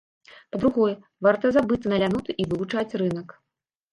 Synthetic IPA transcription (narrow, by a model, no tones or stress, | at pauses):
pɐd̪ɾuɣɔjɛ | vart̪ɐzabɨt̪sːɐnɐlʲanut̪ɨʔivɨvut͡ʂat͡sʲrɨnɐk